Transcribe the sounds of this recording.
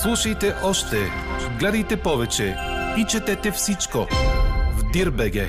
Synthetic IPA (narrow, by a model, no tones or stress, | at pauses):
slˠuʃɐjt̪ɛʔɔʃt̪ɛ | ɡlɛd̪ɐjt̪ɛpɔvɛt͡ʃɛ | it͡ʃɛt̪ɛt̪ɛfsit͡ʃko | vd̪iɾbɛɡɛ